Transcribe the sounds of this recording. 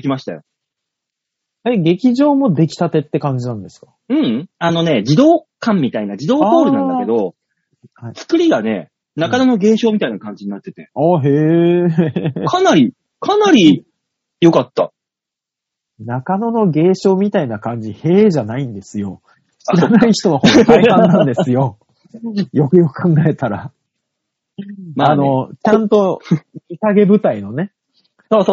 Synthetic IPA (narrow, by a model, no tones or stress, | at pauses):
d̪ekʲimaɕi̥t̪a̰jo | eɡe̞kʲiʑo̞ːmo̞d̪e̞kʲi̥t̪at̪e̞t̪ːe̞kãɲ̟d͡ʑinãnd̪e̞sɨ̥kḁ | ɯ̟̃ɴano̞ne̞d͡ʑid̪o̞ːkãmʲːit̪ainad͡ʑid̪o̞ːt̪o̞ːɾɯnãkeo̞ | hait͡sɨ̥kɯ̟ɾʲiɡane̞ | nakanono̞ɡe̞ːɕo̞ːmʲit̪ainakãɲ̟d͡ʑiɲ̟inat̪ːe̞t̪eaːɦeː | kʰanaɾʲi | kʰanaɾʲi | jo̞kat̪ːa | nakano̞no̞ɡe̞ːɕo̞ːmʲit̪ainakãɲ̟d͡ʑihe̞ːʑanaĩnd̪e̞sɨjo̞̰ | ɕiɾanaiçi̥t̪o̞mahokanãnd̪e̞ssɨjo̞ | jo̞kɯ̟jo̞kɯ̟̥kʰãŋɡae̞t̪aɾa | maano̞t͡ɕãnt̪o̞misaɡe̞bɯ̟t̪aino̞ne̞ | so